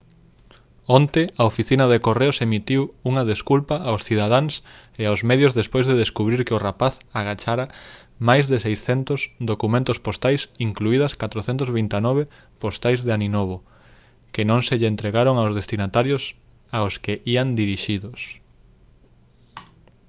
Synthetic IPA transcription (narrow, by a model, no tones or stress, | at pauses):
ont̪ɪaofiθinɐðekoreʊsemit̪iwuŋɐðeskulpaʔawsθiðað̞aŋs | eawzmɛðjʊzðespojzðeðeskuβɾiɾkɪʊrapaθaɣat͡ʃaɾa | majzðɪsejsθɛnt̪ʊsd̪okumẽnt̪ʊspost̪ajsiŋkluiðɐskat̪ɾoθɛnt̪ʊzβint̪anɔβe | post̪ajzðeaninoβ̞o | kɪnõŋseʎɪent̪ɾeɣaɾoŋawzðest̪inat̪aɾjʊs | aoskɪʔiand̪iɾiʃiðʊs